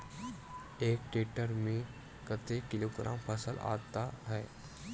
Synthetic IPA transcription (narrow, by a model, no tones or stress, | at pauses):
eːkʈeːʈəɾmẽ | kət̪ekɪloːɡɾa̰ːmpʰəsəla̰ːt̪aɦɛː